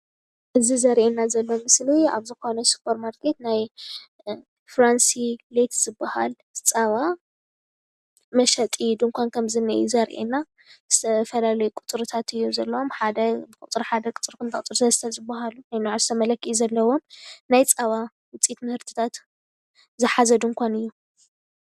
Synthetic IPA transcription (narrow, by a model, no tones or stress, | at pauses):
ʔɨzizɐɾʔenːazɐlːomɨslia̰βzɨxo̞nɐsu̥pʰɐɾmaɾkʰe̞t̪naj | fɾansilet̪z̥ɨbːaha̰l | t͡sʼaβa | mɐʃɐt̪ʼid̪ɨŋkʷʰankʰɐmzɨnːɨ̰ʔjṵzɐɾʔḛna | zɨt̪ʰɐfɐlalɐjukʼʊ̥t̪ʼɾut̪ʰat̪ʰɨjːuzɐlːɐwomħad̪ɐbɨkʼut̪ʼɨɾħad̪ɐkʼɨt͡sʼɨɾkʰɨnt̪ʰɐkʼt̪ʼɨɾt̪ʰɐst̪ʰɐlzɨbːaɦalunajnoʕzɨt̪ʰɐmɐlɐkʰːizɐlːɐwo̞mnajt͡sʼaβa | wɨt͡sʼit̪mɨhɨɾt̪ʰi̥t̪ʰat̪ | zɨħazɐd̪ɨŋkʷʰanɨjːu